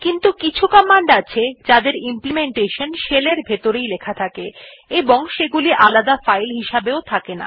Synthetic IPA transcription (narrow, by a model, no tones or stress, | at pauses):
kint̪ukit͡ɕʰukamːaɳɖat͡ɕʰed͡ʑad̪eɾimplimeɳʈeʃonʃeleɾbʱet̪oɾejlekʰat̪ʰake | eboŋʃeɡuliʔalad̪afajlɦiʃabeot̪ʰakena̰